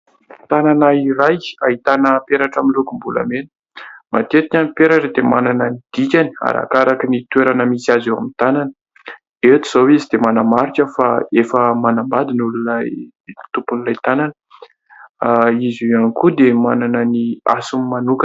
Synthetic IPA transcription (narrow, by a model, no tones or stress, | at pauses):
t̪ananaiɾajaɦit̪anəpeɾaʈ͡ʂaminlukumbula̰menə̥ | ma̰t̪et̪iɲʲanipeɾaʈ͡ʂəd̪emanananid̪̥ikʲania̰ɾa̰kaɾakinit̪weɾanəmisiazewa̰mit̪ananə | et̪iz̥oweizid̪emanamaɾikəfaefəmanambad̪inululaj | t̪upunilajt̪ananə̥ | aizuanikud̪emananənia̰sumimanukə